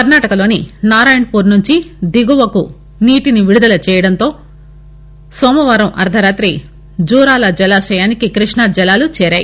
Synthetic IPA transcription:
kɐɾnaːʈɐkɐlo̞ːninaːɾaːjɐɳɖpuːɾnuɲt͡ʃid̪iɡuʋɐku | niːʈiniʋiɽud̪ɐlɐt͡ʃɛːjɐɽɐnt̪o̞ː | sɔːmɐʋaːɾɐmʔɐ̰ɾd̪ʱɐɾaːt̪ɾi | d͡ʒuːɾaːlɐd͡ʒɛlaːʃɐjaːnikikɾiʂɳad͡ʒɛlaːlut͡ʃɛːɾaːjḭ

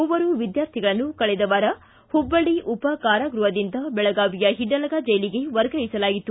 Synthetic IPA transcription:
ɔʋɐɾuʋid̪jaːɾt̪ʰiɡɐɭɐnːukɐɭɛd̪ɐʋaɾɐ | hubːɐɽiʔupɐkaːɾɐɡɾuʋɐd̪ind̪ɐbɛɭɐɡaːʋijɐɦiɖːɐlɐɡaːd͡ʒɐjliɡe̞ʋɐɾɡɐjisɐlaːɡit̪ːu

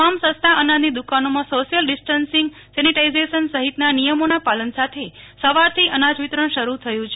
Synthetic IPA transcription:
amsə̃st̪ʰaʔənãnd̪id̪ukanomãsoʃijəlɖɪsʈənsĩŋɡ | sɛniʈaizeʃənsəɦit̪nanijəmonapalənsat̪ʰesəʋaɾt̪ʰiʔənad͡ʒʋit̪ɾəɳʃəɾut̪ʰəjũt͡ʃʰe

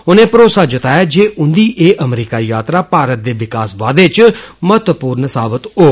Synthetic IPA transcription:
ʊnẽːpəɾoːsaːd͡ʒɪt̪aːjaːd͡ʒeːʔʊnd̪iːʔeːʔəmɾiːkaːijaːt̪ɾaːpaːɾət̪̚d̪eːʋɪkaːsʋaːd̪eːt͡ʃmət̪puːɾnsaːbət̪oː

